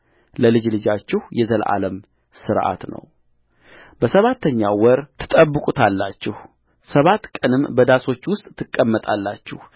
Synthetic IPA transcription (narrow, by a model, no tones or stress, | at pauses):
ləlɨd͡ʒlɨd͡ʒat͡ʃːɪhjɛzəlʔa̰ləm | sɨɾʔa̰t̪nə̰w | bəsəβat̪ːəɲːawɔɾt̪ʰɨ̥t̪ʼəbːɨkʼut̪ʰalːat͡ʃːɪh | səβat̪kʼənɨmːbəd̪aso̞t͡ʃːwʊst̪ʼt̪ʰːɨkʼːəmːət̪ʼalːat͡ʃːɪh